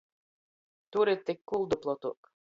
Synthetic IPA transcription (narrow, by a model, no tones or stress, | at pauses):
t̪uɾet̪ːekːulˠd̪uplˠɔt̪ṵk